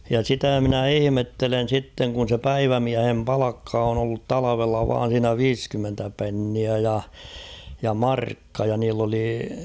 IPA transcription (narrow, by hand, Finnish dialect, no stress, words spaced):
jɑ sitæ mɪ̆næ ihĭmetːelen̞ sitːeŋ kun̞ se pæiʋæmiæhem pɑlɑkːɑ on olːut tɑlɑʋelːɑ ʋɑːn̞ siːnæ ʋiːskymːentæ penːiæ jɑ jɑ mɑrkːɑ jɑ niːlː oli